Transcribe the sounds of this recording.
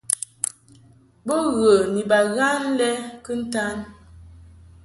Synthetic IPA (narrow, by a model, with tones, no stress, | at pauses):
bo˦ɣə˨ni˨ba˨ɣa˦n˦lɛ˦kə˦n̩˦ta˦n